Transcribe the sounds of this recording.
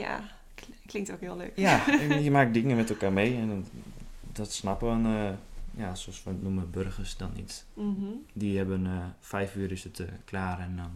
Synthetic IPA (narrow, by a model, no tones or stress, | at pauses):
ja̰ | klɪŋtokhiəlˠø̰ːkjaiəmaːk̚dɪŋəmɛtəlˠkaːrmeːɛn | dɔtsnapəənəjasoɔsʋətnuməbørxərsdɔnḭt | dihɛbənəfɛjfyːɾɪsətklaːrɛndɔn